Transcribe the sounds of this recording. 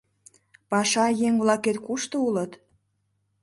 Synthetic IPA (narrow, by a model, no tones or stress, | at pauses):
pɑʃɑjeŋβlɑket̪kuʃt̪oulət̪